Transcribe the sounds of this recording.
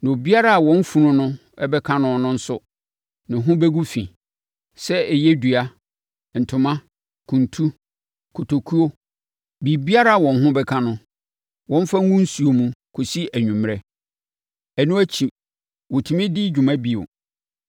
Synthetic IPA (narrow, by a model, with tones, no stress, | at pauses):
nã˨o˨bi˦a˦ɾa˦˨a˨wɔ̃˦n˦fu˨nʊ̃˦nʊ̃˦ | ɛ˦bɛ˦kʰã˦nʊ̃˨nʊ̃˦n̩˦sʊ˨ | nɪ̃˨ɦʊ̃˦bɛ˦ɡu˦fḭ̃˨ | sɛ˦ɛ˨jɛ˦du˨a˦ | n̩˨tʰʊ̃˨mã˦ | kʰũ˨ntʰu˦ | kʰu˨tʰo˨kʰu˦o˦ | bi˨bi˦a˦ɾa˦˨wɔ̃˨nɦʊ̃˦bɛ˦kʰã˦nʊ̃˦ | wɔ̃˦n˦fa˦ŋ˦ŋũ˦n̩˦su˨o˨mũ˨kʰo˨si˦æ˨ɲᶣũ˨m˦ɾɛ˦ | æ˨nũ˦æ˦t͡ɕʰi˨ | wo˨tʰu˨mɪ̃˦dɪ˦d͡ʑᶣu˨mã˦bi˨o̰˨